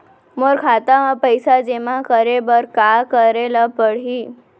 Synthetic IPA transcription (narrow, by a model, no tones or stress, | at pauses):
moɾkʰat̪amãpəjsad͡ʒemãkəɾebəɾkakəɾelapəɽɦiː